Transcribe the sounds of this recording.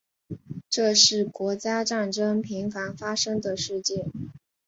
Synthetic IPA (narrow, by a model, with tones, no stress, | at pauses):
ʈ͡ʂɤ˥˧ʂɻ̩˥˩kwɔ˧˥t͡ɕja˥ʈ͡ʂa˥˩nʈ͡ʂɤ˥ŋpʰi˧˥ŋfa˧˥nfa˥ʂɤ˥ŋd̪ə˨ʂɻ̩˥˧t͡ɕjɛ˥˩n